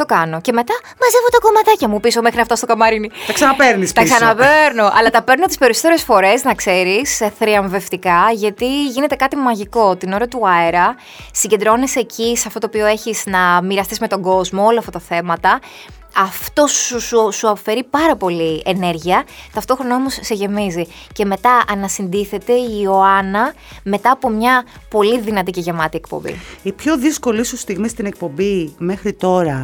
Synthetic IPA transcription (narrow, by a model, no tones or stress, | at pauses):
t̪o̞kɐno̞ce̞me̞t̪ɐ | mɐze̞vot̪ɐko̞mɐt̪ɐcɐmupisome̞xɾinɐft̪ɐst̪o̞kɐmɐɾinit̪ɐksɐnɐpeɾnist̪ɐsɐnɐpeɾnoʔɐ̰lɐt̪ɐpe̞ɾnot̪ispeɾisot̪eɾe̞sfo̞ɾe̞znɐkse̞ɾisθɾiɐɱve̞ft̪ikɐʝɐt̪iʝine̞t̪e̞kɐt̪imɐʝiko̞t̪ino̞ɾɐt̪uɐeɾɐ | siɲɟe̞nd̪ɾo̞nise̞ciseɐft̪ot̪opioe̞çiznɐmiɾɐst̪izme̞t̪o̞ɡo̞zmooloɐft̪ɐt̪ɐθe̞mɐt̪ɐ | ɐft̪o̞sususuɐpofe̞ɾipɐɾɐpo̞lie̞ne̞ɾʝiɐt̪ɐft̪o̞xɾo̞nɐo̞mo̞sːe̞ʝe̞mizi | ce̞me̞t̪ɐʔɐnɐsind̪iθe̞t̪e̞io̞ɐnɐ | me̞t̪ɐːpo̞mɲɐ | po̞liðinɐt̪iceʝemɐt̪ie̞k̚po̰mbḭipço̞ðisko̞lisust̪iɣmist̪inek̚po̞bime̞xɾit̪o̞ɾɐ